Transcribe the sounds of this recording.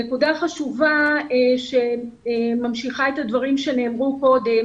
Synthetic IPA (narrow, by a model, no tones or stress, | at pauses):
ekudaχaʃuvaʃe | mamʃiχae̞thadvaʁimʃe̞ne̞ːmʁuko̞de̞m